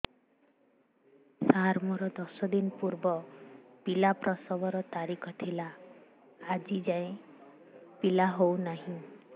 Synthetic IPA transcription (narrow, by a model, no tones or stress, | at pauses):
saɾmɔɾɔd̪ɔsɔd̪inpuɾbɔpilapɾɔsɔbɔɾɔt̪aɾikʰɔt̪ʰilaː | d͡ʒid͡ʒaẽ | pilaɦownaɦĩ